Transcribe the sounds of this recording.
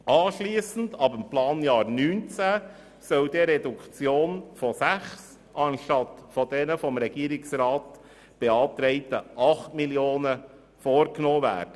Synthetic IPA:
ʔɑːʃliːsn̩dɑbəmplɑːnjɑːɾnyːnt͡sæ | sœld̥eɾɛdukt͡sjoːnfɔsæχs | ʔɑnʃtɑtfɔd̥ɛnəfɔmɾɛɡ̥iːɾɪksɾɑːt | b̥eɑːtɾɛɪtəʔɑχtmiljoːnə | foːɾknɔːvæ̰ːɾd̥ə

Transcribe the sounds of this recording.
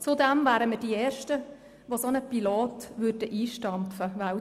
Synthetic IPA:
t͡sud̪ɛmvaːɾəməd̥iɛːʃtə | ʋosonəpiloːtʋʉɾdəʔiːʃtɑmpfəʋa

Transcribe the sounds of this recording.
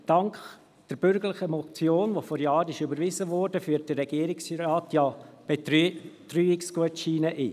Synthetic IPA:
d̥ɑŋkχ | d̥əɾbʏɾɡəɾləχəmɔt͡sjoːnʋofɔɾjɑːɾɪʃʏbəɾʋɪzəʋɔɾd̥əfyːət̚d̥ərːɛɡ̥iəɾɪksɾɑːtjɑ | b̥etɾyːɪkskuətʃiːnəʔiː

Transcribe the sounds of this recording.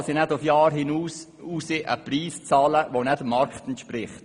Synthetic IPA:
sinɛdʊfjɑːɾhɪnuːs | uːsɪʔə̰priːst͡sɑːləʋonɛdəmɑɾkχtɛntʃpɾɪχt

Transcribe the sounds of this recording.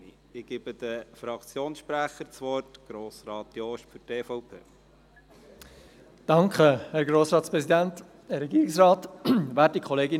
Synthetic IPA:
ɪɡ̥ɪbəd̪əfɾɑkt͡sjoːnsʃpɾæχəɾt͡sʋɔɾtɡ̥ɾoːsɾɑːt̪joʃfʏteːfɔʊpʰḛː | d̥ɑŋkχəhɛɾɡɾoːsɾɑːtspɾɛsidænt | əɾɛɡiːɾɪksrɑːtvæːt̚dikʰχɔleːɡin

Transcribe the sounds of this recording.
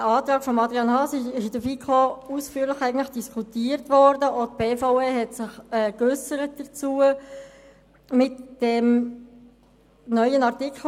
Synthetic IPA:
əɑːtɾɑːkfɔmɑdɾiɑnhɑːsɪɪʃɪdəfikʰχousfyːəɾləχæɪɡn̩tləχd̥iskʰutiːəɾtʋɔɾdəʔot̚b̥eːfaʊeɦɛtsɪχɛːkʏsəɾət̚d̥ət͡suə | mɪtd̥ɛm | nœʏənɑʁtikχ

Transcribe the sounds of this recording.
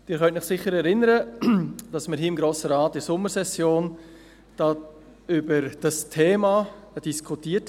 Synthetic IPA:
d̥ɪːɾχœntmɪχsɪχːəɾɛɾɪnəɾəd̥ɑsməɾɦiːɪmɡɾoːsəɾaːtːɪɾsʊmːəɾsɛsjoːn | d̥ɑː | ybəɾd̥ɑstʰeːmad̥iskʰutiːət

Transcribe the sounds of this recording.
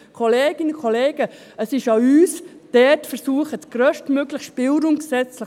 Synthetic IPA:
kʰɔleːɡ̥ɪnəkʰɔleːɡ̥ə | əsɪʃɑyːsd̥ɛtfɛɾsuəχət͡sɡ̥ɾœʃtmøɡləxʃpɪlɾʊmksɛt͡slɪ

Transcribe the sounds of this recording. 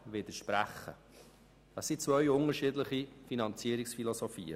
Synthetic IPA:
ʋɪd̪əʃpɾæχːə̰ | d̥ɑsit͡sʋœʏʊŋəɾʃiːdləχifinɑnt͡siəɾɪksfilɔsɔfḭːə̰

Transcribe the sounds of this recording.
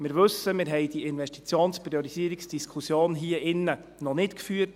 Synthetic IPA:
mɪɾʋɵsːəmɪɾɦɛjd̥iɪnʋɛʃtit͡sjoːnspɾiɔɾisiəɾiksd̥iskʰusjoːnɦiːəʔɪnːə | nɔnɪtkfyːət

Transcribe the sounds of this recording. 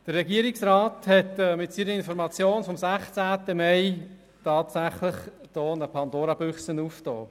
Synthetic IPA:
d̥ərɛɡiːəɾɪksɾaːthɛtːmɪtsiːnəɪnfɔɾmɑt͡sjoːnfɔmsæχt͡sæːtəmɛɪ | tʰɑːtsæχləχd̥ɔːnəpʰɑndoːɾɑb̥ʏχsənuːftɔ̰ː

